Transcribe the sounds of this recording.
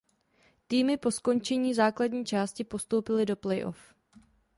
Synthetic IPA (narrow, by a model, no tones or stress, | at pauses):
t̪iːmɪpo̞sko̞nt͡ʃɛɲiːzaːklad̚ɲiːt͡ʃaːscɪpo̞st̪owpɪlɪdo̞plɛjʔo̞̰f